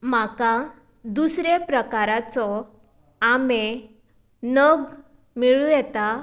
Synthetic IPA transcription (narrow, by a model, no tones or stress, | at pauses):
maka | d̪usɾepɾəkaɾat͡sɔ | ame | nəɡ | miɭujɛt̪a